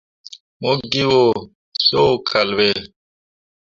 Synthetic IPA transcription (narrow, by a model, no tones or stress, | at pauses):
mokɡiwo | sokʰɐlwe